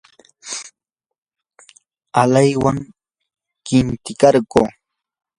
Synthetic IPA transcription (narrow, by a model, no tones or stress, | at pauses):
alajwaŋ | kɪnt̪ɪkɑɾɢoː